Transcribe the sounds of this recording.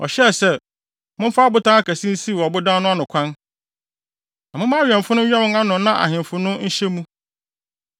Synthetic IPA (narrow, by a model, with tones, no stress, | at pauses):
ɔ̰˨ɕɛ˦˨sɛ˦ | mʊ̃˦m̩˦fa˦bʊ˦tãː˦a˦˨kæ˨sĩ˦n̩˦si˦˨wɔ˨bʊ˦dãː˦nʊ̃˦a˦nʊ̃˨kʷʰã˦n | nã˨mʊ̃˦mã˦ɥɛ̃˨m˨fʊ˦nʊ̃˦ɛ˦mɪ̃˦ŋa˦nʊ̃˨nã˦ʔa̰˨ɦɪ̃˨m˨fʊ˦nʊ̃˦n̩˦ɕɛ˦mũ˦